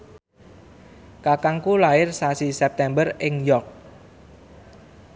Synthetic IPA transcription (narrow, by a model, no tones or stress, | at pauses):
kakaŋkulaɪrsasisɛp̚t̪ɛmbərɪŋjɔk̚